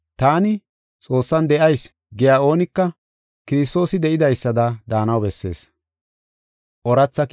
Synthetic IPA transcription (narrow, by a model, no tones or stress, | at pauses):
t̪aːnɪ | t͡sʼo̞ːsːɐnd̪ɛʔɐjs | ɡɪjaːo̞ːnɪkːɐ | kɪɾɪs̬t̪o̞ːsɪd̪ɛʔɪd̪ɐjsːɐd̪ɐd̪aːnɐwbɛsːe̞̰ːs | ʔɔɾɐt͡sːɐ